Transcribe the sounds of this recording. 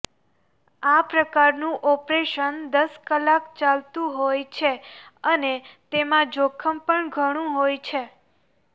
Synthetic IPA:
apɾəkaɾnũʔɔpɾeʃənd̪əskəlakt͡ʃalt̪ũɦojt͡ʃʰeənet̪emãd͡ʒokʰəmpəɳɡʱəɽ̃ũɦojt͡ʃʰe

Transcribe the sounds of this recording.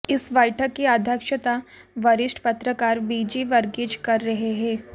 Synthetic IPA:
ɪsʋɐjʈʰəkːiaːd̪ʱjəkʃət̪aʋɐɾɪʃʈʰpɐt̪ɾəkaːɾʋiːd͡ʒiʋɐɾɡed͡ʒkɐɾːɐɦeɦɛ̃ː

